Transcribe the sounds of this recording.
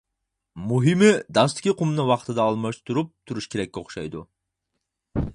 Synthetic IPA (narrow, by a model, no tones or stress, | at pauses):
muɦɨmɪd̪ɑst̪ʰɪ̥kʲiqʰʊmnɨwɑqt̪ʰɨd̪ɑːlˠmɑʃt̪ʰuɾup̚t̪ʰuɾuʃkʲʰeɾɛkʲːɛoχʃɑ̰jd̪u